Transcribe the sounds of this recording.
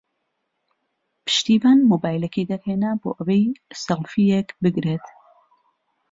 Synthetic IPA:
pʰɨ̥ʃt̪iːvaːnmoːbaːjlɐkʰejd̪ɐɾhenabo̰ːʔɐwejsɐlfijekbɨɡɾet̪

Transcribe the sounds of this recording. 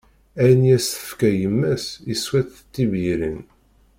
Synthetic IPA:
æjnjæsθə̥fkæjəmːæsiswæθət̪ːiviɾin

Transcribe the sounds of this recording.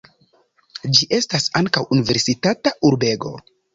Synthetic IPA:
d͡ʒiʔe̞stasaŋkawunive̞ɾsitatauɾbe̞ɡo̞̰

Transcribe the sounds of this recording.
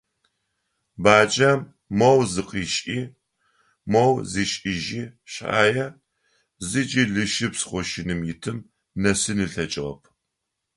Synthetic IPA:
baːd͡ʒʼɐm | mɐwzɨqʼiːʃʼiː | mɐwziːɕʼɪʒiːɕa̰ːjɐ | zɨd͡ʒʼiɮɨʃɪpsχʷɔʃɪnɨmjɪtʰɨm | nɐsɨniɬɐt͡ʃʼɪʁɐ̰pʰ

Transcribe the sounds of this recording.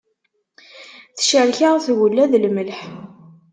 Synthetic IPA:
θʃəɾçaʁθwəlːæðlməlħ

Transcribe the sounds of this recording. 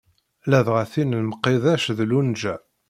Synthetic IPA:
læðʁæθinlməqːeðæʃðlund͡ʒæ

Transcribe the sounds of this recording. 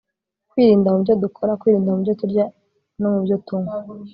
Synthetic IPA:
kwiːɾiːndamubɟo̞dukʰo̞ɾakwiːɾiːndamubjotuɾɟa | no̞mubjotuŋa

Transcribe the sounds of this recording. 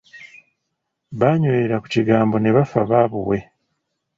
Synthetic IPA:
βaɲojeɾaku̥ciɡaːmbo̞neβafaβaβuwe̞

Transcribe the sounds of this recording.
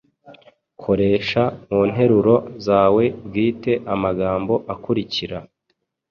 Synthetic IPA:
kʰo̞ɾe̞ːʃamuːn̥ɦe̞ɾuɾo̞zaːwe̞ɡiːte̞ʔamaɡaːmbo̞ʔakuɾiciɾa

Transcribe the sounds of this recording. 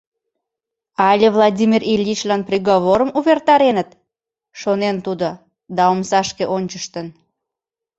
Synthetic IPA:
ɑlʲevlˠɑdʲimʲirilʲːit͡ɕlɑnprʲeɣoβoɾəmuβert̪ɑɾenət̪ | ʃonent̪ud̪o | d̪ɑomsɑʃkeʔonʲt͡ɕəʃt̪ən

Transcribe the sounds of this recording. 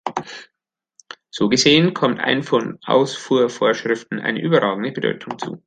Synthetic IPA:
z̥oːɡəzeːənkʰɔmtʔa̰ɪnfɔnʔa̰ʊsfuːɐfoːɐʃʁ̥ɪftn̩ʔa̰ɪnə̰ʔyːbɐʁaːɡŋ̩dəbədɔ̰ʏtʰʊŋt͡sṵː

